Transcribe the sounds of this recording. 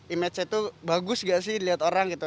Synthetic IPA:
imɛt͡ʃit̪ubaɡʊsŋɡaʔsɪhliat̪oɾaŋɡit̪u

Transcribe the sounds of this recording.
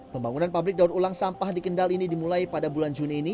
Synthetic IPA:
pəmbaŋunanpablɪk̚daut̪ulaŋsampahdikəndalinidimulajpadabuland͡ʒuniːni

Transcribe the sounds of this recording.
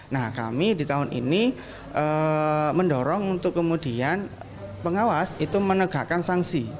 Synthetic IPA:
nahka̰midi̤t̪aɦʊnʔḭni | ʔəməndɔɾɔŋunt̪ʊkːəmudian | pəŋawasit̪umənəɡ̥akansaŋsi

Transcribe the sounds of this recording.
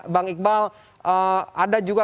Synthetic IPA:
baŋik̚bal | ʔəadad͡ʒuɡa

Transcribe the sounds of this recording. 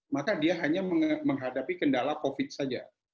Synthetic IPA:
makadiaɦaɲaməŋməŋɦadapikəndalakofɪt̪̚sad͡ʒa̰

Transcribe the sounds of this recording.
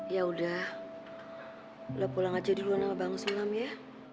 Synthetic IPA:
ijaudah | udahpulaŋad͡ʒadiluanamabaŋsulamja

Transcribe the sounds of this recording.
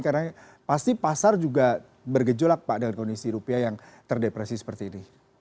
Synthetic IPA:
kada | past̪ipasard͡ʒuɡa | bərɡəd͡ʒɔlak̚paʔdəŋankondisiɾupiajaŋ | t̪ərdepɾesisə̥pərt̪iːni

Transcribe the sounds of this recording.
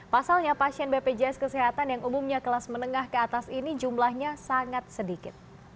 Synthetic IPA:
pasalɲapasiɛnbeped͡ʒɛɛskəsɛɦat̪anjaŋumumɲakəlasmənəŋahkəat̪asinid͡ʒumlahɲasaŋat̪̚sədikɪt̪̚

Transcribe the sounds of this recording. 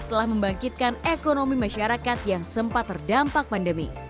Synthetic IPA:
t̪əlahməmbaŋkit̪̚kanekonomimaʃaɾakat̪jaŋsəmpat̪ːərdampak̚pandəmḭ

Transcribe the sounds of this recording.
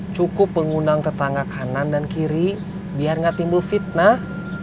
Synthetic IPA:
t͡ʃukʊpːəŋundaŋt̪ərt̪aŋɡakʰanandankiɾi | biarŋat̪imbʊlfit̪̚nah

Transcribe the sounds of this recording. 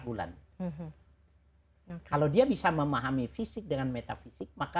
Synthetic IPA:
bula̰n | kalawdiabisaməmaɦamifisɪk̚dəŋanmɛt̪afisɪk̚maka

